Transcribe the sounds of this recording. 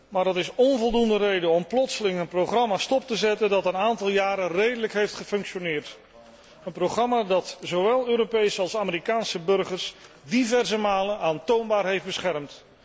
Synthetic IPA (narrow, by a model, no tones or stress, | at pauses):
maːɹdɑtɪsɔnvɔlˠdundərejdəɔmplɔtsəlɪŋənprowχrɑmaːstɔp̚təzɛtəndɑtənaːntɑlˠjaːɾənrejdələkɦejftχəfɵŋkʃonɪːrt | ənproχrɑmaːdɑtzowʋɛlˠøːɾopejsəɑlˠsaːməɾikaːnsəbɵɹχəɹs | divɛrzəmaːlənʔaːntownbaːɹɦejfdbəsχɛrmt